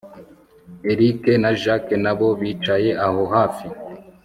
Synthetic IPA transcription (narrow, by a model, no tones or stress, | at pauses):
eɾikenaʒakenaβo̞βiːt͡ʃaje̞ʔaho̞ɦaːfi